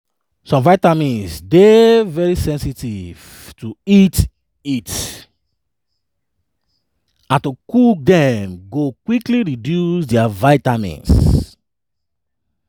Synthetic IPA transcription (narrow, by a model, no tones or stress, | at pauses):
sɔ̃mvaɪtamĩnsdevɛɹisɛ̃nsitiv̥ | tuit | it | ãntukuk̚dɛmɡokwikliɹidjusdɛavaɪtamḭ̃ns